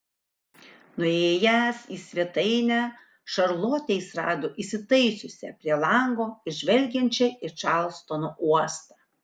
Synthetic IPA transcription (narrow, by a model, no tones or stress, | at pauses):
nʊejːjæsiːsʲʋʲiɛt̪ɐɪnʲæ | ʃɐɾlˠoːt̪ʲɛɪsɾɑ̰ːd̪oːʔiːsʲɪt̪ɐɪsʲʊsʲɛ̰pʲɾʲiɛlˠɐŋɡoːɪʒʲʋʲɛlʲɡʲɛnʲt͡ʃʲɛɪʃɑˑlˠst̪onoːʔuɔst̪ɑː